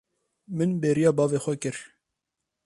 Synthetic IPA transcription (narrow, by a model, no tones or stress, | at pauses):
mɨnbeːɾijɑːbɑːveːxʷɛkɨɾ